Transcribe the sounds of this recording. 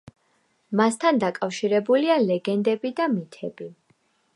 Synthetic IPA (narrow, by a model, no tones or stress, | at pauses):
mast̪ʰand̪akʼafʃiɾɛbulialɛɡɛnd̪ɛbid̪amit̪ʰɛb̥i